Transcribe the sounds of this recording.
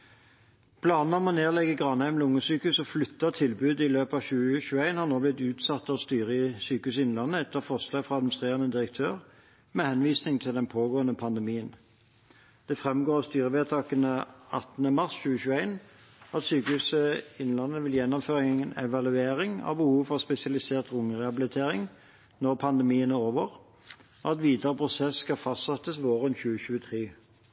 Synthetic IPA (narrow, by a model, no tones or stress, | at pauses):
pʰlɑːnn̩ɔmɔneːlɛɡəɡʁɑnhæɪmnlʊŋəsyːkʉsɔflʏt̪ːɑt̪ʰɪlbʉːd̪ɪløːpɑʋçʉːəɕʉːæɪnhɑʁnoːblɪt̪ʉːt̪sɑt̪ːɑʋst̪yːʁəsyːkʉsɪnlɑnːəɛt̪ːəʁfɔʁslɑːɡfʁɑɑd̪mɪn̩st̪ʁeːʁənəd̪ɪʁək̚t̪ʰøːʁ | mɛhɛnʋiːsnɪŋt̪ʰɪld̪ɛnpʰoːɡoːənəpʰɑnd̪ɛmiːən | d̪̥ɛfʁɛmɡoːʁst̪yːʁəʋeːt̪ʰɑːkənəɑt̪nəmɑʁsçʉːəçʉːəæɪn | ɑt̪syːkəhʉːsəɪnlɑnːəʋɪljɛnːɔmføːʁɪŋŋənɛ̰ʋɑlʉeːʁɪŋɑ̰ʋbəhuːʋfɔʁspɛsɪɑlɪseːʁt̪ʁʊŋəʁɛhɑbɪlɪt̪ʰeːʁɪŋ | nɔʁpʰɑnd̪əmiːənoːʋəʁ | oɑt̪ʋiːd̪əʁəpʰʁʊsɛsːkɑfɑst̪sɑt̪ːəsʋoːʁənçʉːəɕʉːət̪ʰʁiː